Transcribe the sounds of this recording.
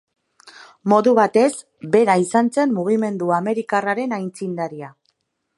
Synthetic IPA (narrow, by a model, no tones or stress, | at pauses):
mo̞ðuβat̪e̞s | be̞ɾaisant͡se̞mmuɣ̞ime̞nd̪uame̞ɾikaraɾe̞najnt͡sind̪aɾia